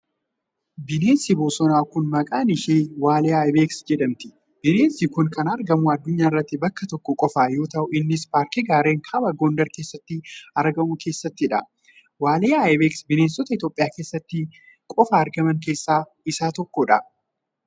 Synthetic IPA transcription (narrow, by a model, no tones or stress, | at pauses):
bɪneːnsɪboːsɔnaːkʊnmɐkʼaːnɪʃeːwaːleːajbeːksd͡ʒɛᶑɐmt̪ɪ̥ | b̥ɪneːnsikʊnkɐnɐɾɡɐmʊɐd̪ːʊɲːaːɪrːɐt̪ːɪbɐkːɐt̪ɔkːɔkʼɔfaːjo̞ːt̪ɐʔʊɪnːɪspaːɾkɪɡaːɾe̞ːŋkʰaːbɐɡoːnd̪ɐɾke̞ːsːɐt̪ːɪɐɾɡɐmʊkʰe̞ːsːɐt̪ːɪᶑɐ | waːleːajbeːksbɪneːnsɔt̪ɐɪt̪o̞ːpʼːɪjaːke̞ːsːɐt̪ːɪ | kʼɔfaːɾɡɐmɐŋk̬e̞ːsːaː | ɪsaːt̪ɔkːɔᶑɐ